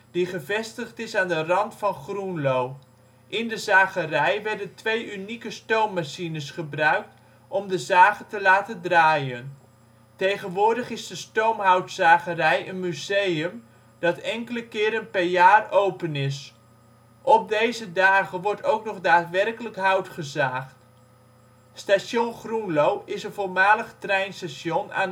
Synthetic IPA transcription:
d̥iχəvɛstəχtɪsaːndərɑntfɑnχrunlow | ʔɪndəzaːχərɛjʋɛɹdəntʋejynikəstowmːaʃinəsχəbrœɥk̚t | ɔmdəzaːχətəlaːtəndraːjən | tejχənʋʊːɹdəχɪzdəstowmɦawtsaːχərɛjənmyzejəm | d̥ɑtɛŋkələkɪːɾənpɛrjaːrowpənɪs | ʔɔp̚dejzədaːχənʋɔɹrtʰowknɔχdaːtʋɛrkələkɦawtχəzaːχt | stasjonχrunlowɪsənvoːlˠmaːləχtrɛjnstasjɔna̰ːn

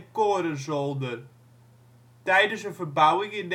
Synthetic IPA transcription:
kɔːɾəzɔlˠdə | d̥ajdəsəfəbawɪŋɪnː

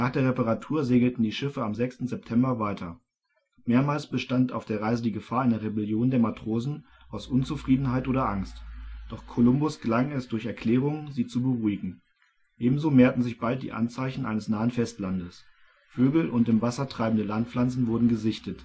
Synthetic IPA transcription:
naːχd̥eːɐʁepaʁatʰuːɐzeːɡl̩tn̩diːʃɪfəamzɛkstn̩zɛp̚tʰɛmbɐvaɪtʰɐ | meːɐmaːlsb̥əʃtanta̰ʊfd̥eːɐʁaɪzədiːɡəfaːɐʔaɪnɐʁebɛljoːndeːɐmatʁ̥oːzn̩ | ʔaʊsʔʊnt͡sufʁ̥iːdn̩ɦaɪtʔoːɾɐʔaŋstd̥ɔχkʰolʊmbʊsɡ̥əlaŋɛsd̥ʊɐçɛɐkl̥ɛːʁ̞ʊŋziːt͡subəʁuːɪɡŋ̩ | ʔeːbm̩zoːmeːɐtn̩zɪçb̥alt̚d̥ḭːʔa̰nt͡saɪçn̩ʔa̰ɪnəsnaːənfɛstlandəs | føːɡl̩ʔʊntɪmvasɐtʁ̥aɪbmn̩dəlant̚pflant͡sn̩vʊɐdn̩ɡəzɪçtət

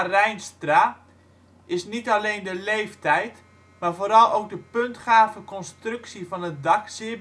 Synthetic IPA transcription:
rɛjnstra | ɪsnitaleːndəlejftɛjt | mafoːɾɑlˠowk̚dəpøntχaːvəkɔnstrʏksifɔnət̚dɑksɪ

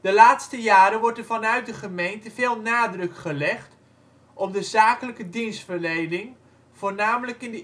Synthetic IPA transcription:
d̥əlaːtstəjaːɾəʋɔɹdəvɑnœɥt̚dəχəmejntəv̥ɪːlˠnaːdrɵkχəlɛχt | ʔɔp̚dəzaːkələkədinstfəɹlejdɪŋ | v̥oːɹnaːmələkɪndə

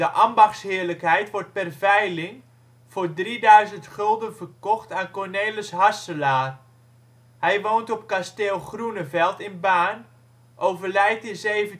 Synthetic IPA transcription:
dəʔɑmbɑχsɦɪːɹləkɦɛjtʋɔɹt̚pɛrvɛjlɪŋ | v̥ʊːɹdridœɥzəntχɵlˠdənvərkɔχtaːnkɔɹnejləsɦɑsəlaːr | hɛjʋowntɔp̚kasteːlˠχrunəvɛlˠtɪnbaːn | ʔowvəɹlɛjtəzejvə

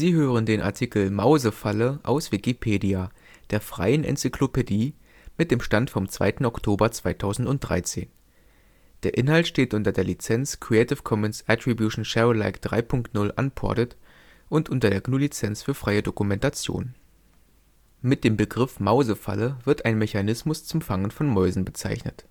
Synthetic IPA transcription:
z̥iːɦøːʁ̞əndeːnʔa̰ɐtʰiːkl̩maʊzəfaləʔa̰ʊsv̥ikipʰeːdia | d̥eːɐfʁ̥a̰ɪənʔɛ̰nt͡sikʰlopediː | mɪt̚d̥eːmʃtantfɔmt͡sv̥a̰ɪtn̩ɔktʰoːbɐt͡sv̥aɪtʰaʊzn̩tʊnt̚d̥ʁa̰ɪt͡seːn | d̥eːɐʔɪnhaltʃteːtʔʊntɐdeːɐlit͡sɛnt͡skʁ̥iɛɪtɪfkʰɔmənsʔɛtʁ̥ibjuʃn̩ʃɛʁəla̰ɪkd̥ʁa̰ɪpʰʊŋktnʊlʔa̰npʰɔ̰ɐtət | ʔʊntʔʊntɐdeːɐɡnulit͡sɛnt͡sfyːɐfʁ̥aɪədokumɛntat͡sjo̰ːn | mɪt̚d̥eːmbəɡʁɪfmaʊzəfa̰ləvɪɐtʔaɪnmɛçanɪsmʊst͡sʊmfaŋənfɔnmɔʏzn̩bət͡sa̰ɪçnə̰t

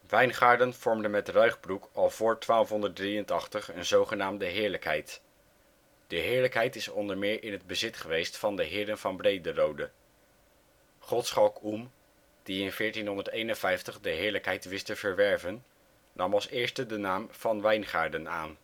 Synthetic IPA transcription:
ʋɛjnχaːɹdənv̥ɔɹmdənmɛtrœɥχbrukɑlˠv̥ʊːɹtʋaːlˠfɦɔndət̚driəntɑχtəχənzowχənaːmdəɦɪːɹləkɦɛ̰jt | d̥əɦɪːɹləkɦɛjtɪsɔndəɹmɪːɹʔɪnɦəd̚bəzɪtχəʋejstfɑndəɦɪːdənvɑnbrejdərowdə | χɔtsχɑlˠkum | d̥iɪnvɪːɹtinɦɔndəɹtejnənvɛjftəχdəɦɪːɹləkɦɛjtʋɪstəvəɹʋɛɹvənː | ɑmɑlˠsɪːɹstədənaːmv̥ɑnʋɛjnχaːɹdəna̰ːn

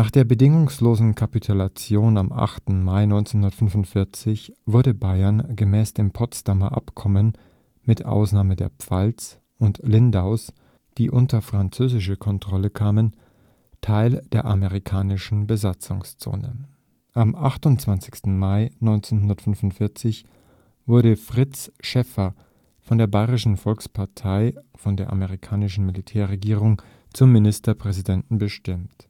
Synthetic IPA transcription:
naːχd̥eːɐbədɪŋʊŋsloːzn̩kʰapitʰʊlat͡sjoːnamʔa̰χtn̩maɪnɔʏnt͡senhʊndɐtfʏnvʊntfɪɐt͡sɪçv̥ʊɐɾəbaɪɐnɡəmɛːsd̥eːmpʰɔstamɐ̰ʔa̰pkʰɔmən | mɪtʔa̰ʊsnaːmədeːɐpp͡falt͡s | ʊntlɪndaʊs | d̥iːʔʊntɐfʁ̥ant͡søːzɪʃəkʰɔntʁ̥ɔləkʰaːmən | tʰaɪld̥eːɐʔameʁikʰaːnɪʃn̩bəzat͡sʊŋst͡so̰ːnə̰ | ʔamʔaχtʊntt͡sv̥ant͡sɪçstn̩maɪnɔʏnt͡seːnhʊndɐtfʏnfʊntfɪɐt͡sɪç | v̥ʊɐɾəfʁ̥ɪt͡sʃɛfɐ | fɔndeːɐbaɪʁɪʃn̩fɔlkspʰaɐtʰaɪfɔndeːɐʔameʁ̞ikʰaːnɪʃn̩militʰɛːɐʁeɡiːʁʊŋ | t͡sʊmːɪnɪstɐpʁ̥ɛzidɛntn̩bəʃtɪmt

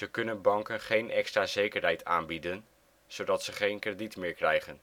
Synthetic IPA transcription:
əkɵnənbɑŋkənχejnʔɛkstraːzejkərɦɛjtaːnbidən | z̥owdɑtsəχejnkreditmɪːɹkrɛjχən

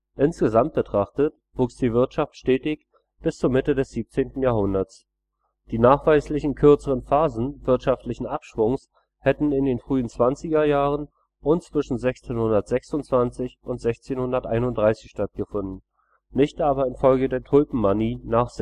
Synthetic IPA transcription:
ʔɪnsɡ̥əzamt̚b̥ətʁ̥aχtət | v̥uːksd̥iːvɪɐtʃaftʃtɛːtɪç | b̥ɪst͡suːɐmɪtədɛsz̥iːp̚t͡seːntn̩jaːhʊndɐt͡s | d̥iːnaːχv̥aɪslɪçn̩kʰʏɐt͡səʁənfaːzn̩vɪɐtʃaftlɪçn̩ʔapʃv̥ʊŋs | hɛtn̩ɪndeːnfʁ̥yːənt͡sv̥ant͡sɪɡɐjaːʁən | ʔʊntt͡sv̥ɪʃn̩zɛçt͡seːnhʊndɐtz̥ɛksʊntt͡sv̥ant͡sɪçʔʊntz̥ɛçt͡seːnhʊndɐtʔaɪnʊntd̥ʁaɪsɪçʃtat̚ɡ̥əfʊndn̩ | nːɪçtʔaːbɐɪnfɔlɡədeːɐtʰʊlpm̩mːaniːnaːχz̥

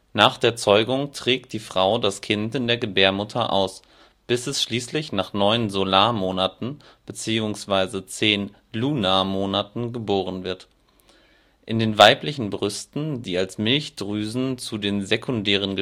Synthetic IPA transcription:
naːχd̥eːɐt͡sɔʏɡʊŋtʁ̥ɛːk̚t̚d̥iːfʁ̥aʊdaskʰɪntɪndeːɐɡəbeːɐmʊtʰɐʔa̰ʊs | b̥ɪsɛsʃliːslɪçnaːχnɔʏənzolaːmoːnatn̩b̥ət͡siːʊŋsv̥aɪzət͡seːn | luːnamoːnatn̩ɡəboːʁ̞ənvɪɐt | ʔɪndeːnvaɪplɪçn̩bʁʏstn̩diːalsmɪlçd̥ʁyːzn̩t͡sudeːnzekʰʊndɛːʁ̞ənɡə

